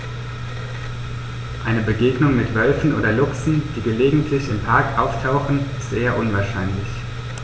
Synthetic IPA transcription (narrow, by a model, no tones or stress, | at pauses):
ʔaɪnəbəɡeːɡnʊŋmɪtv̥œlfn̩ʔo̰ːdɐlʊksn̩d̥iːɡəleːɡŋ̩tʰlɪçɪmpʰaɐkʔaʊftʰaʊxn̩ɪstzeːɐʔʊnvaːɐʃaɪnlɪç